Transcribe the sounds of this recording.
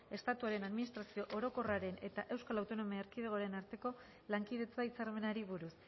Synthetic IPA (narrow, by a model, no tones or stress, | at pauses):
e̞st̪at̪uaɾe̞naðminist̪ɾasio̞ʔoɾo̞ko̞raɾe̞ne̞t̪aʔe̞wskalawt̪o̞no̞miaeɾkiðeɣ̞oaɾe̞naɾt̪e̞ko̞ | laŋkið̞e̞t͡sait͡saɾme̞naɾiβ̞uɾus